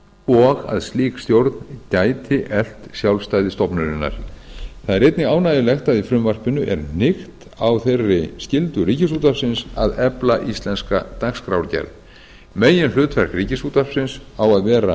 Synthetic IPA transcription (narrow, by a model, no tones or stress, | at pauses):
ɔɣa̰ðst̪liːkst̪jowɾt̪ncaːjt̪ʰɪʔɛl̥t̪sjawlst̪aːjðɪst̪ɔpnʏɾɪnːa̰ɾ̥θaðɛɾejt̪nɪɣaːwnaːjɪlɛxt̪aðifɾʏmvar̥pɪnːʏʔɛɾnɪxt̪ | awθejrːɪscɪlt̪ʏriːcɪs̬ut̪apsɪnsa̰ðɛplaʔist̪lɛnskat̪akskɾawɾcɛ̰ɾð | meːjɪnfʏːt̪vɛr̥kriːcɪsut̪ar̥psɪnsawaðvɛːɾa